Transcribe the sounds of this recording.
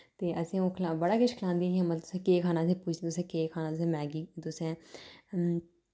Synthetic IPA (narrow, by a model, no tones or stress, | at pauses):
t̪eːʔəsĩːõːkʰlabəɽaːkɪʃkʰlãːnd̪iːãːmət̪lət̪ʊ̥sẽːkeːkʰaːnaːsẽːpʊt͡ʃʰːt̪ʊsẽːkeːkʰaːnaːt̪ʊs̬ẽːmɛːɡiːt̪ʊsɛ̃ː